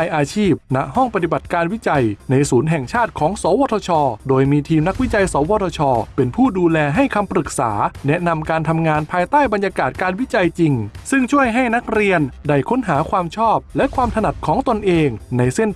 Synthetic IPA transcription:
jʔaː˧t͡ɕʰiː˥˩p̚na˦˥ʔhɔ˥˩ŋpɾa˧t̪i˨˩ba˨˩t̪̚kaː˧nwi˦˥t͡ɕa˧jna˧jsuː˩˦nɦɛ˨˩ŋt͡ɕʰaː˥˩t̪̚kʰɔː˩˦ŋsɔː˩˦wɔː˧t̪ʰɔː˧t͡ɕʰɔː˧doː˧jmiː˧t̪ʰiː˧mna˦˥k̚wi˦˥t͡ɕa˧jsɔː˩˦wɔː˧t̪ʰɔː˧t͡ɕʰɔː˧pe˧npʰuː˥˩duː˧lɛː˧ɦa˥˩jkʰa˧mpɾɯ˨˩k̚sa̰ː˩˦nɛ˦˥na˧mkaː˧nt̪ʰa˧mŋaː˧npʰaː˧jt̪aː˥˩jba˧njaː˧kaː˨˩t̪̚kaː˧nwi˦˥t͡ɕa˧jt͡ɕi˧ŋsɯ˥˩ŋt͡ɕʰu˥˩əjɦa˥˩jna˦˥k̚ɾi˧ənda˥˩jkʰo˦˥nɦaː˩˦kʰwaː˧mt͡ɕʰɔː˥˩p̚lɛ˦˥kʰwaː˧mt̪ʰa˧na˨˩t̪̚kʰɔː˩˦ŋt̪o˧nʔeː˧ŋna˧jse˥˩n

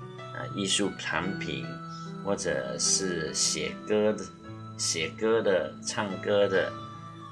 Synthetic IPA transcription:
ə̰˧˩i˥˧ʂu˥˩pʰa˧˥npʰḭ˨˩˦n | xwɔ˥˩ʈ͡ʂə̰˨˩˦ʂɻ̩˥˩ɛ̰˨˩k | ɕjɛ˨˩kɤ˥d̪ə˨ʈ͡ʂʰɑ˥˩ŋkɤ˥d̪ə˨

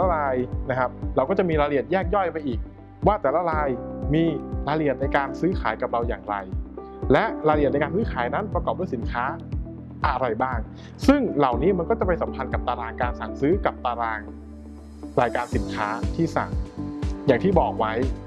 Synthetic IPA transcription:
ɛ˩la˦˥ɾaː˧jna˦˥kʰa˦˥p̚ɾa˧wkɔː˥˩t͡ɕa˨˩miː˧ɾaː˧li˨˩ət̪̚jɛː˥˩k̚jɔ˥˩jpa˧jʔiː˨˩k̚ | waː˥˩t̪ɛː˨˩la˦˥ɾaː˧jmiː˧ɾaː˧li˨˩ət̪̚na˧jkaː˧nsɯː˦˥kʰaː˩˦jka˨˩p̚ɾa˧wjaː˨˩ŋɾa̰˧j | lɛ˦˥ʔɾaː˧li˨˩ət̚n˧jkaː˧nsɯː˦˥kʰaː˨˩˦jna˦˥npɾa˧kɔː˨˩p̚duː˥˩si˩˦nkʰaː˦˥ | ʔa˧ɾa˧jbaː˥˩ŋ | sɯ˥˩ŋla˨˩wniː˦˥ma˧nkɔ˥˩t͡ɕa˨˩pe˧nsa˩˦mpʰa˧nka˨˩p̚t̪aː˧ɾaː˧ŋkaː˧nsa˨˩ŋsɯː˦˥ka˨˩p̚t̪aː˧ɾaː˧ŋ | ɾaː˧jkaː˧nsi˩˦nkʰaː˦˥t̪ʰiː˥˩sa̰˨˩ŋjaː˨˩ŋt̪ʰiː˥˩bɔː˨˩k̚wa˦˥j

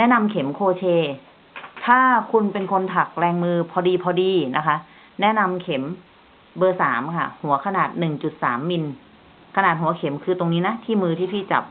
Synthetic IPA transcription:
nɛ˦˥na˧mkʰe˩˦mkʰoː˧t͡ɕʰeː˧ | t̪ʰaː˥˩kʰu˧npe˧nkʰo˧nt̪ʰa˨˩k̚ɾɛː˧ŋmɯː˧pʰɔː˧diː˧pʰɔː˧diː˧na˦˥kʰa˦˥ | nɛ˦˥na˧mkʰe˩˦m | bɤː˧saː˩˦mkʰa̰˥˩hu˩˦ɐkʰa˧naː˨˩t̪̚nɯ˨˩ŋt͡ɕu˨˩t̪̚sa̰ː˩˦mːi˧n | kʰa˧naː˨˩t̪̚hu˩˦ɐ˦kʰe˩˦mkʰɯː˧t̪o˧ŋniː˦˥na˦˥t̪ʰiː˥˩mɯː˧t̪ʰiː˥˩pʰiː˥˩t͡ɕa̰˨˩p̚

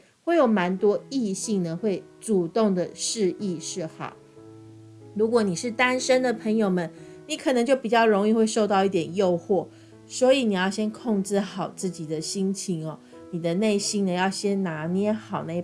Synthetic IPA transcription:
xwe˥˩ɪjo˨˩ʊma˧˦˥nt̪wɔ˥i˥˧ɕi˥˩ŋnə˨xwe˥˩ɪ | ʈ͡ʂu˨˩t̪o˥˩ŋd̪ə˩ʂɻ̩˥˧i˥˧ʂɻ̩˥˩xɑ̰˨˩˦ʊ | ɻu˧˥k̬wɔ˧˨˦ni˨˩ʂɻ̩˥˩t̪a˥nʂə˥nd̪ə˨pʰə˧˥ŋjo˨ʊmə˨nni˧˦˥kʰɤ˨˩nə˧˦ŋt͡ɕjo˥˩ʊpi˨˩t͡ɕjɑ˥˩ʊɻo˧˥ŋi˥˧xwe˥˧ɪʂo˥˧ʊt̪ɑ˥˧ʊi˥˩t̪jɛ˨˩njo˥˧ʊxwɔ˥˩ | swɔ˧˥i˨˦ni˨˩jɑ˥˩ʊɕjɛ˥nkʰɔ˥˧ŋʈ͡ʂɻ̩˥˩xɑ˨˩ʊt͡sɹ̩˥˩t͡ɕi˨˩d̪ə˦ɕi˥ŋt͡ɕʰi˧˩ŋɔ˨ | ni˨˩d̪ə˦ne˥˩ɪɕi˥ŋnə˨jɑ˥˩ʊɕjɛ˥nna˧˥njɛ˥nxɑ˨˩ʊna˥˧

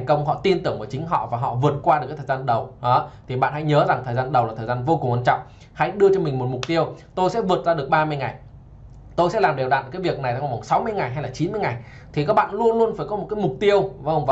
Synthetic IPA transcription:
t̪a˨˩ŋ̟kə˧wŋ͡mɦɔ̰˧˨t̪i˧nt̪ɨ˧˩əŋʔəː˧˩t͡ɕï˨˦ŋ̟ɦɔ̰˧˨vaː˨˩ɦɔ̰˧˨vɨ˨˩ət̚kwaː˧ɗɨ˨˩kːt̪ʰːzaː˧nɗə˨˩wɔ˨˦t̪ʰi˨˩ɓa̰ː˧˨nha̰˧˥jɲəː˨˦za˨˩ŋt̪ʰəː˨˩jzaː˧nɗə˨˩waː˨˩əː˨˩zaː˧nvo˧ku˨˩ŋʔə˧t͡ɕɔ̰˧˨wŋ͡m | ha̰˧˥jɗɨ˧ət͡ɕɔ˧mï˨˩ŋ̟mo˨˩t̚mʊ˨˩k͡p̚t̪i˧əwt̪o˧jsɛ̰˧˥vɨ˨˩ət̚zaː˧ɗɨ˨˩ək̚ɓaː˧mɨ˧əjŋa˨˩j | t̪o˧jsɛ̰˧˥laː˨˩mɗe˨˩wɗa̰˧˨n˨˩kaː˨˦jvi˨˩ək̚na˨˩jt̪a˨˦a˨˩va˨˩ŋ͡msa˨˦wmɨ˧əjŋa˨˩jɦa˧jlaː˨˩t͡ɕi˨˦nmɨ˧əjŋa˨˩j | t̪ʰi˨kaː˦˥k̚ɓa̰ː˧˨nlu˧ənlu˧ənfaː˧˩jkɔ˨˦mo˨˩kaː˨˦jmʊ˨˩k͡p̚t̪i˧əwvwv

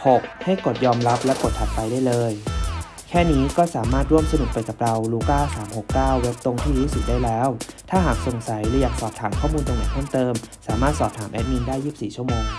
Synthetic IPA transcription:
ho˨˩k̚ha˥˩jko˨˩t̪̚jɔː˧mɾa˦˥p̚lɛ˦˥wko˨˩t̪ʰːa˨˩pːa˧jdaː˥˩jlɤː˧j | kʰɛː˥˩niː˦˥kɔː˥˩saː˩˦maː˥˩t̪̚ɾu˥˩əmsa˧nu˨˩k̚pa˧jka˨˩p̚ɾa˧wluː˧˥kaː˥˩saː˩˦mho˨˩kːaː˥˩wːe˦˥p̚t̪o˧ŋt̪ʰiː˥˩ɾuː˦˥sɯ˨˩k̚daː˥˩jlɛː˦˥wt̪ʰaː˥˩ɦaː˨˩k̚so˨˩ŋsa˩˦jɾɯː˩˦jaː˨˩k̚sɔː˨˩p̚t̪ʰaː˩˦mkʰɔː˥˩muː˧nt͡ɕ̪a˧ŋnaː˨˩kʰɤː˥˩ŋt̪ɤː˧msaː˩˦maː˥˩t̪̚sɔː˨˩p̚t̪ʰaː˩˦mʔɛ˦˥t̪̚ni˧ndaː˥˩jːiː˥˩p̚siː˨˩t͡ɕʰu˥˩əmoː˧ŋ

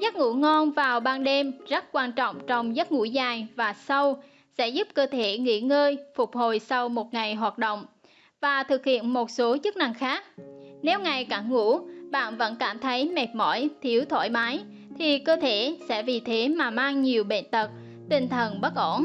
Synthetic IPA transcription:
zə˦˥t̚ŋṵ˧˥ŋɔ˧nvaː˨˩wɓaː˧nɗe˧mzə˦˥t̚kwaː˧nt͡ɕɔ̰˧˨wŋ͡mt͡ɕɔ˧wŋ͡mzə˦˥t̚ŋṵ˧˥zaː˨˩jvaː˨˩sə˧w | sɛ̰˧˥zu˦˥p̚kəː˧t̪ʰe˧˩ŋḭ˧˥ŋəː˧jfʊ˨˩k͡p̚ho˨˩jsa˧wmo˨˩t̚ŋa˨˩jɦwaː˨˩t̚ɗo̰˧˨wŋ͡m | vaː˨˩t̪ʰɨ˨˩k̚hḭ˧˨ənmo˨˩t̚so˨˦t͡ɕɨ˦˥k̚na˧˩ŋxaː˦˥k̚nɛ˨˦wŋa˨˩jkaː˧˩nŋṵ˧˥ɓa̰ː˧˨nvə̰˧˥nkaː˧˩mt̪ʰə˨˦jmɛ˨˩t̚mɔ̰˧˥jt̪ʰi˨˦əwt̪ʰwo̰˧˩jmaː˨˦j | t̪ʰi˨˩kəː˧t̪ʰe˧˩sɛ̰˧˥vi˨˩t̪ʰe˨˦maː˨˩maː˧ŋɲi˨˩əwɓḛ˧˨nt̪ə˨˩t̚ | t̪ï˨˩ŋ̟t̪ʰə˨˩nɓə˦˥t̚ʔo˧˩n

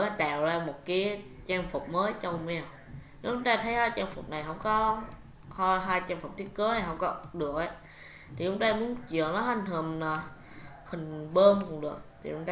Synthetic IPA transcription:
ma˨˦ɗa̰ː˨˩˨wzaː˧mo˨˩kaː˨˦j | t͡ɕaː˧ŋfʊ˨˩k͡p̚məː˨˦jt͡ɕɔ˧wŋ͡mmɛ˧w | ne˨˦t͡ɕʊ˧ŋ͡mt̪aː˧t̪ʰə˨˦jhaː˧jt͡ɕaː˧ŋfʊ̰˨˩k͡p̚na˨˩jɦə˧wŋ͡mkɔ˨˦ | hɔ˧ɦaː˧jt͡ɕaː˧ŋfk͡p̚t̪i˦˥ət̚kəː˨˦na˨˩jɦə˧wŋ͡mkɔ˨˦ɗɨ˨˩ək̚ʔa˧˦ | t̪ʰi˨˩t͡ɕʊ˧ŋ͡mt̪aː˧mu˨˦ənt͡ɕi˧˨əŋlɔ˨˦ɦa˧˩jŋ̟hə˨˩maː˨˩ | hï˨˩ŋ̟ɓəː˧nkʊ˨˧˩ŋ͡mɗɨ˨˩ək̚t̪ʰi˨˩t͡ɕʊ̰˧˦ŋ͡mt̪ː

